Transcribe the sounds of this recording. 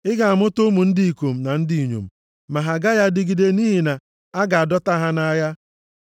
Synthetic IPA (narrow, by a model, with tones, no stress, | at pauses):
ɪ˦ɡa˨a˨mʊ˦tʊ˦mu˨n̩˦dɪ˦i˨ko˨m̩˨na˨n̩˦di˨i˨ɲo̰˨m̩˨ | ma˨ɦa˨ɡa˦ja˦dɪ˨ɡi˨de˨ni˦ɦi˨na˨ | a˦ɡa˨a˨dɔ˦ta˦ɦa˦na˦ja˦